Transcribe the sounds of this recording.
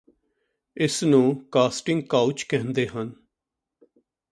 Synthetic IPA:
ɪsnũːkaːsʈɪŋɡ̚kaːut͡ʃkɛ̃ːnd̪eːɦən

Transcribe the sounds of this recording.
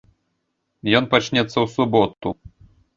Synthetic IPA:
jɔnpat͡ʃnʲɛt̪sːɐwsubɔt̪u

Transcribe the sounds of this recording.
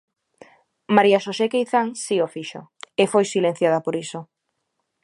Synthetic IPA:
maɾiaʃosekejθaŋsiofiʃo̰efojsilen̟θjað̞apoɾiso

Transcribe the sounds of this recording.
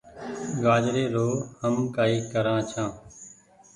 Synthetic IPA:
ɡaːd͡ʒɾeːɾoːhəmkaːiːkəɾãːt͡ʃʰãː

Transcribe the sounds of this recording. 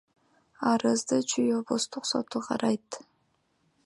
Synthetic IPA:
ɑɾɯzd̪ɨt͡ʃʰyjobust̪uqso̞̰t̪uqʰɑ̰ɾɑjt̪

